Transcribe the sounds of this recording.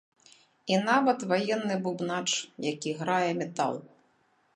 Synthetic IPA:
inavɐt̪vajɛnːɨbubnat͡ʂjakʲiɣɾajɛmʲɛt̪a̰lˠ

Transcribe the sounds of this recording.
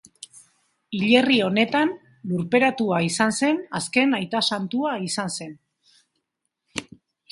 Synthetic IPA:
iʎe̞rio̞ne̞t̪an | luɾpe̞ɾat̪uaisanse̞naske̞najt̪asant̪uaisanse̞n

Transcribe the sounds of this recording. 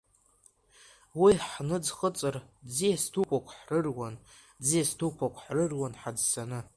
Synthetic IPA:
wiħnɨd͡zχət͡sʼɨrd͡zijastʰukʷʼakʷʰʼħrɨrwan | d͡zijastʰukʷʰakʷʰʼħrɨrwanħad͡zsanɨ

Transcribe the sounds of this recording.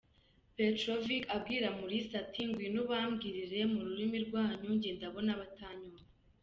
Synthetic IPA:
petɾoviɡab̚ɡiːɾamuɾisatʰiŋɡwinuβaːmɡiɾiɾe̞muɾuɾimiɾɡwaːɲuɲɟeːndaβo̞naβataːɲumaa

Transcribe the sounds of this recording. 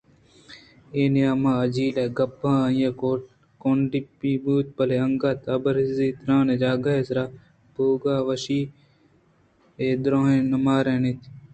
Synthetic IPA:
eːnejaːmãːɐd͡ʒiːleːɡɐbãːɐĩjeːo | koːɳɖipibuːt̪̚pɐleɐŋɡaːt̪ʰɐbɐɾziːt̪ɾãːneːd͡ʒaːɡaːesɾaː | boːɡaːʋɐʃiː | eːd̪ɾõːɦẽːnɐmaːɾeːnet̪ʰ

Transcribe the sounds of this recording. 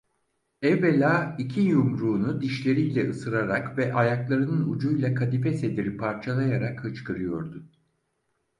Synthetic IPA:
ɛvbelʲaːicʰijumɾuːnud̪iʃlʲe̞ɾijlʲɛʔɯsɯɾaɾakvɛʔajaklˠaɾɯnɯnud͡ʒujlˠakʰad̪ifɛse̞d̪iɾipʰaɾt͡ʃʰalˠajaɾakhɯt͡ʃkʰɯɾɯjo̞̰ɾd̪ʊ

